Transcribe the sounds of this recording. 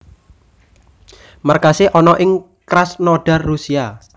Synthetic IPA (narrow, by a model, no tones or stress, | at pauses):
markaseʔɔnɔʔɪŋ | kɾasnɔɖ̥arːusia